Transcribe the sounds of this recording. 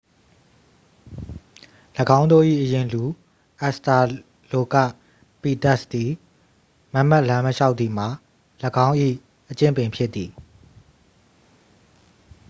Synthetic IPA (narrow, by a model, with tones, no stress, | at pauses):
ləɡã˦ʊ̃nd̪o˦˨ʔḭ˦˨ʔəjɪ̃˨lu˨ | ʔa˦sta˨ | lo˨ka̰˦˨ | pi˨ta˦˨sd̪i˨ | ma˦m̥a˦˨ʔlã˦məʃa˦ʊʔt̪i˨m̥a˨ | ləɡã˦ʊ̃ʔḭ˦˨ | ʔət͡ɕɪ̃˦˨mpɪ̃˨mpʰjɪ˦t̪ːi˨